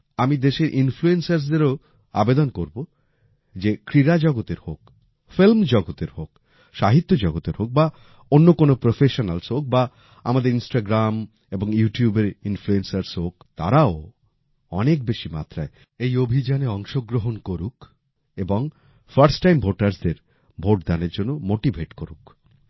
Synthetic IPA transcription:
amid̪eʃeɾʔinfluensaɾs̬d̪eɾo | a̰bed̪onkoɾbo | d͡ʑekɾiɾad͡ʑɔɡot̪eɾhok | filmd͡ʑɔɡot̪eɾhok | ʃaɦit̪ːod͡ʑɔɡot̪eɾhok̚ba | onːokonopɾofʰeʃonalsɦok̚ba | a̰mad̪eɾinsʈaɡɾam | eboŋjuʈijubeɾinfluensaɾshokt̪a̰ɾao | ɔnek̚beʃima̰t̪ɾae | ejobʱid͡ʑaneɔŋʃoɡɾoɦonkoɾuk | eboŋ | faɾsʈajmbʱoʈaɾsd̪eɾ | bʱoʈ̚d̪aneɾd͡ʑonːomoʈibʱeʈkoɾṵk

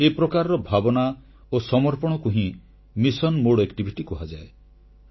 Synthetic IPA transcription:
epɾɔkaɾɔɾɔbʱabɔna | osɔmɔɾpɔɽ̃ɔkuɦĩ | misɔnmoɽekʈibʱiʈikuɦad͡ʒae

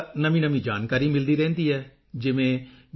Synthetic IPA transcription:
nəmĩːnəmĩːd͡ʒaːnkaːɾiːmɪld̪iːɾɛ̃ːnd̪iːɛː | d͡ʒɪʋẽː

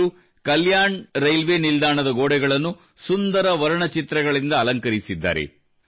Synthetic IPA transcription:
u | kɐljaːɳɾɐjlʋe̞ːnild̪aːɳɐd̪ɐɡoːɽɛɡɐɭɐnːu | sund̪ɐɾɐʋɐɾɐɳɐt͡ʃit̪ɾɐɡɐɭind̪ɐːlɐŋkɐɾisid̪ːa̰ːɾe̞̰

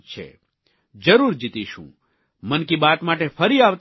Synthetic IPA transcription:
t͡ʃʰḛ | d͡ʒəɾuɾd͡ʒit̪iʃṵ̃ | mənkibat̪maʈefəɾiaʋt̪

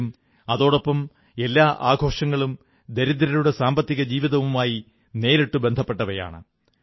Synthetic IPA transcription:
m | ɐðo̞ːɽopːɐm | e̞lːaːʔaːɡʱo̞ːʂɐŋːɐɭum | d̪ɐɾid̪ɾɐluɽe̞saːmbɐt̪ːiɣɐd͡ʑiːʋiðɐʋumaːji | ne̞ːɾeʈːubend̪ʱɐpːe̞ʈːɐʋɐja̰ːɳɨ̰

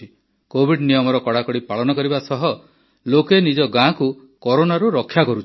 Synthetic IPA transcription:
i | kobʱiɖnijɔmɔɾɔkɔɽakɔɽipaɭɔnɔkɔɾibasɔɦɔ | lokenid͡ʒɔɡãku | kɔɾonaɾuɾɔkʰːjakɔɾut͡ʃ

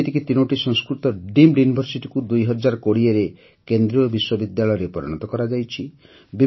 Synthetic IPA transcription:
t̪ikit̪inoʈisɔŋskɾut̪ɔɖimɖjunibʱɔɾsiʈikud̪ujɦɔd͡ʒaɾɔkoɽieɾe | kend̪ɾiɔbiswɔbid̪jaɭɔjɔɾepɔɾɔ̰ɽ̃ɔt̪ɔkɔɾad͡ʒajt͡ʃʰi | bi

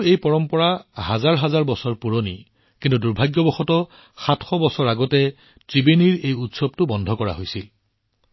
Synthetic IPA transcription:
ejpɔɹɔmpɔɹaɦazaɹɦazaɹbɔsɔɹpuɹonḭ | kintuduɹbʱaɡjɔbɔxɔtɔ | xatxɔbɔsɔɹaɡɔtɛ | tɹibeniɹejutsɔb̚tʊbɔndʱɔkɔɹa̰ɦojsil

